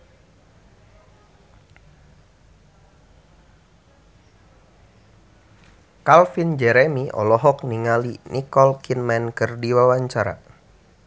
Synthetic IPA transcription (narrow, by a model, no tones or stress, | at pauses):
kalfind͡ʒɛɾɛmiʔɔ̰lɔɦɔk̚niŋalinʔikɔlkinmɛnkɨrdiwawaɲt͡ʃaɾa̰